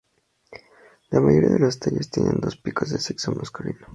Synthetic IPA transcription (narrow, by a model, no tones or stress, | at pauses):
lamaʝoɾia̰ðelost̪eʎest̪jenʔẽnd̪o̞spikozðeseksomʔaskulino